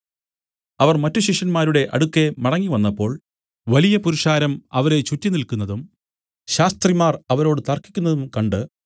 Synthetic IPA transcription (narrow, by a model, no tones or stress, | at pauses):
ɐʋɐrmɐtːuɕiʂɐnmaːɾuɽe̞ʔɐɽukːe̞mɐɽɐŋːiʋɐnːɐpːo̞ːɭ | ʋɐlijɐpuɾuʂaːɾɐmɐʋɐɾe̞t͡ɕutːinilkunːɐðum | ɕaːst̪rimaːrɐʋɐɾo̞ːɽɨt̪ɐrkːikʲːunːɐðumkɐɳɖɨ